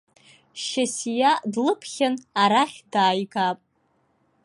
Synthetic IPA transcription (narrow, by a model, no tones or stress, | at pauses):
ʃasijadlɨpʰχʲanaɾaχʲdaːjɡapʼ